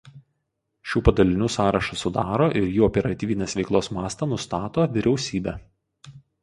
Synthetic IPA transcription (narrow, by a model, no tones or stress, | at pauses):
ʃʲuːpɐd̪ɐlʲɪnʲuːsɑːɾɐʃɐsʊd̪ɑːɾoːʔɪɾjuːɔpʲɛɾɐt̪ʲiːʋʲɪnʲeːsʋʲɛɪklˠoːsmɑːst̪ɑnʊst̪ɑːt̪oːʋʲɪɾʲɛʊsʲiːbʲɛː